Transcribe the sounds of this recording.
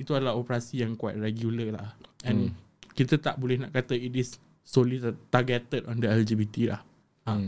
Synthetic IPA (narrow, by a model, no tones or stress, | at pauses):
it̪uadalaɦopəɾasijãŋkuwajt̚rɛɡjuləla̰ɛ̃n | kit̪at̪aʔbolɛhnaʔkat̪əit̪isː | olit̪aɡɛt̪ədɔ̃ndəɛld͡ʒibit̪ila̰h | ã